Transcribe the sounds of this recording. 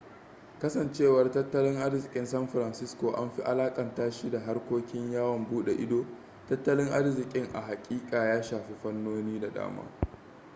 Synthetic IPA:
kɐ˦sɐ˨nt͡ʃeː˦˨wɐ˨rtɐ˦tːɐ˦lɪ˦ŋʔa˦rzɪ˨kʲʼɪ˦nsɐ˦mɸɾɐ˨nsɪ˦skoː˨ʔa̰˦nɸi˦ʔa˦laː˦kʼɐ˨ntaː˦ʃi˦da˨ɦa˦rkʷoː˦kʲɪ˦ɲjaː˦wɐ˨mbuː˦ɗḛ˨ʔɪ˦doː˦ | tɐ˦tːɐ˦lɪ˦ŋʔa˦rzɪ˨kʲʼɪ˦ŋʔa̰˨ɦa˨kʲʼiː˦kʼaː˨jaː˦ʃaː˨ɸi˦ɸɐ˦nːoː˦niː˦da˨da̰ː˦ma̰ː˦

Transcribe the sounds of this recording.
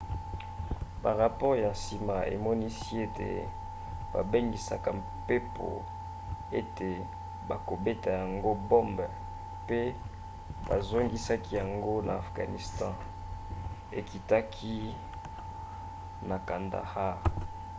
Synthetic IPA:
ba˨ʁa˨pɔ˦ʁja˨nsi˨ma˨ḛ˨mɔ˦ni˦si˦e˦tḛ˨ | ba̰˨be˦ŋɡi˨sa˦ka˨m | pe˦pʰo̰˨ | e˦te˨ | ba˨ko˨be˦ta˨ja˨ŋɡo˦bɔ˦mb | pe˦ | ba˨zo˦ŋɡi˦sa˦ki˦ja˨ŋɡo˦na˨a˨fɡa̰˨ni˨stɑ̃˦ | e˨ki˨ta˦kʰi˦ | na˨ka˨nda̰˨ha˦

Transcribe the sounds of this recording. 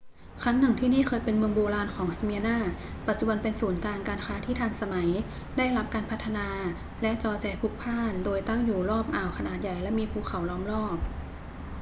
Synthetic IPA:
kʰɾa˦˥ŋna˨˩˦ŋt̪ʰiː˥˩niː˥˩kʰɤː˧jpe˧nmɯ˧əŋboː˧laː˧nkʰɔː˩˦ŋsa˧mi˧ənaː˥˩pa˨˩t̪̚t͡ɕu˧ba˧npe˧nsuː˩˦nkaː˧nkaː˧nkʰaː˦˥t̪ʰiː˥˩t̪ʰaː˧ŋsa˧ma˩˦j | da˥˩jla˦˥p̚kaː˧npʰa˦˥t̪ʰːa˧naː˧ | lɛ˦˥ʔt͡ɕɔː˧t͡ɕɛː˧pʰu˦˥k̚pʰaː˥˩ndoː˧jt̪a˥˩ŋjuː˨˩lɔː˥˩p̚ʔaː˨˩wkʰa˧naː˨˩t̪̚ja˨˩jlɛ˦˥miː˧pʰuː˧˩kʰa˩˦wlɔː˧˩mlɔː˥˩p̚

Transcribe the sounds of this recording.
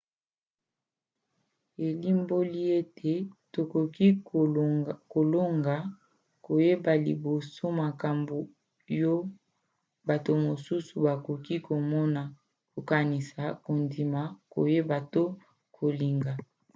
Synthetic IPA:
e˨li˦mbo˦li˦e˦tʰe˨to˨ko˨ki˦ | ko˨lo˦ŋɡa˨ | ko˨je˦ba˨li˨bo˨so˦ma˨ka˨mbo˨ | jo˦ | ba˨to˨mo˨su˦su˨ba˨ko˨ki˦ko˨mɔ˦na˨ | ko˨ka˨ni˨sa˨ko˨ndi˨ma˨ko̰˨je˦ba˨to˦ | kʰo˨li˨ŋɡa˨

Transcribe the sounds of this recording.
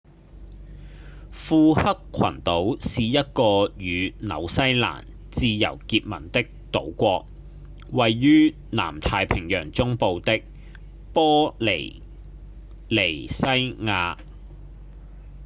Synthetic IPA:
fuː˧hɐ˥kʷʰwɐ̰˨˩nt̪o˨˥wsiː˨jɐ˥t̚kɔː˧jyː˨˧nɐ̰˨˧wsɐ˥jla̰ː˨˩n | t͡siː˧jɐ̰˨˩wkiː˧t̚mɐ̰˨˩nt̪ɪ˥k̚t̪o̰˨˥wkʷɔː˧k̚ | wɐ˨jːyː˥ | na̰ː˨˩mt̪ʰaː˧jpʰɪ˨˩ŋjœː˨˩ŋt͡sʊ˥ŋpo˨˧wt̪ɪ˥k̚ | pɔː˥le˨˩j | le˨˩jsɐ˥jŋaː˧

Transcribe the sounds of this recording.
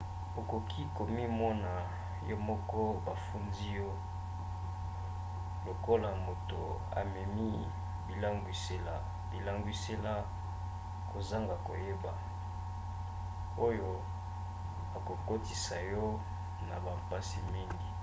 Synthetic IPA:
bo˨ko˨kʰi˦ko˨mi˦mɔ˦na˨ | jɔ˦mɔ˦kɔ˦ba˨fu˦ndi˦jɔ˦ | lo˨ko˦la˨mo˨to̰˨ | a̰˨mɛ˨mi˦ | bi˨la˦ŋɡwi˦se˦la˨ | bi˨la˦ŋɡwi˦se˦la˦ | ko˨za˦ŋɡa˨ko̰˨je˦ba˨ | o˦jo˦ | a˨ko˨ko˦ti˨sa˨jɔ˦ | na̰˨ba˨mpa˦si˨mi˦ŋɡi˨

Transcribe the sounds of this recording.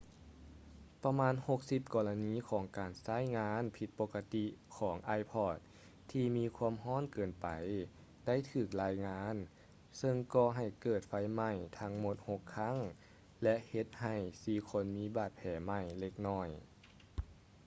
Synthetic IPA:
pa˧maː˧˥nho˧˦k̚si˧˦p̚kɔː˧la˧niː˧˥˨kʰɔː˩˦ŋkaː˨˩nsaː˧˥˩jŋaː˧˥npʰi˧˦t̪̚po˧kːa˧t̪i˧kʰɔː˩˦ŋʔaː˧jpʰɔː˧˩t̪̚ʰː | iː˧miː˧˥kʰuː˧˥əmɦɔː˧˥˨nkɤː˨˩npa˨˩j | da˥˩˨jt̪ʰɯː˨˩k̚laː˧˥jŋaː˧˥n | sɤ˧ŋkɔː˧˩ɦa˨˩jkɤː˨˩t̪̚fa˧˥jma˧˩jt̪ʰa˧˥ŋmo˧˥t̪̚ho˧kʰːa˧˥˨ŋ | lɛ˧ʔhe˧˦t̪̚ha˨˩jsiː˧˩kʰo˧˥˨nmiː˧˥baː˧˩t̪̚pʰɛː˨˦ma˧˩jle˧k̚nɔː˧˩j

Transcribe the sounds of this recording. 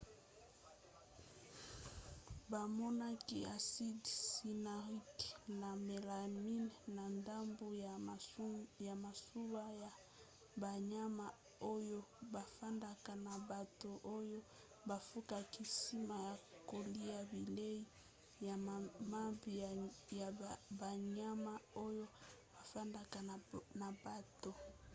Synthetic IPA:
ba˨mɔ˦na˦ki˦a˨si˦dsi˨na˨ʁi˦kna˨me˨la˨mi˦n˨na˨nda˦mbo˦˨ | ja˨ma˨su˦wa˦ja˨ | ba˨ɲa˦ma˨ | o˦jo˦ba˨fa˦nda˨ka˨na˨ba˨to˨ʔo˦jo˦ | ba˨fu˦ka˨ki˨si˦ma˨ja˨ko˨li˦ja˦bi˨le˦i˦ | ja˨ma˦mbi˨ja˨ba˨ɲa˦ma˦o˦jo˦b̥a˨fa˦nda˨ka˨na˨ba˨to˨

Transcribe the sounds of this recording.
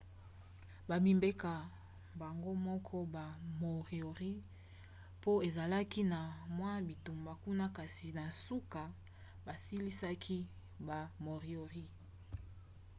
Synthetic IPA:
ba˨bi˨mbe˦ka˨ | ba˨ŋɡo˦mɔ˦kʰɔ˦ba˨mo˨ʁi˨o˨ʁi˦ | po˦e˨za˨la˦ki˦na˨mwa˦bi˨tu˨mba˨ku˦na˦ka˨si˨na˨su˦ka˨ | ba˨si˦li˦sa˦kʰi˦ | ba˨mo˨ʁi˨o˨ʁi˦

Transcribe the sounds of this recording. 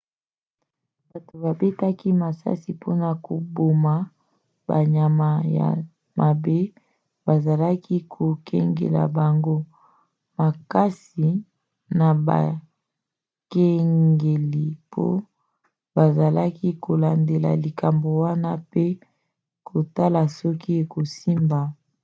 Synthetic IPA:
ba˨to˨ba˨be˦ta˦ki˦ma˨sa̰˦si˨pʰo˦na˨ko˨bo˨ma˨ | ba̰˨ɲa˨ma˨ja̰˨ | ma˨be˦ | ba˨za˨la˦ki˦kʰo˨kʰɛ̰˦ŋɡḛ˨la̰˨ba˨ŋɡo˦ | ma˨ka˦si˨ | na˨ba̰˨ | ke˦ŋɡe˨li˨pʰo̰˦ | ba˨za˨la˦kʰi˦kʰo˨la˨nde˨la̰˨li˨ka˨mbo˨wa˦na˦pe˦ | kʰo˨ta˦la˨sɔ˦ki˦e˨ko˨si˦mba˨

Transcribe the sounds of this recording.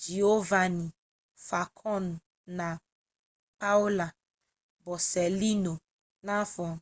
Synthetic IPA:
d͡ʒi˨o˦va˨nĩ˨ | fa˨kʰɔ˦˨n˨ | nã˨ | pa˦u˦la˨ | bɔ˨sɛ˨li˦no˨ | nã˦fɔ˨

